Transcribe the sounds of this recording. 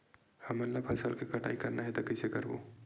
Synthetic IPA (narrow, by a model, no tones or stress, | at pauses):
həməɾlapʰəsəlkekəʈʰa̰ikəɾnaɦet̪ɔkəjsekəɾbṵ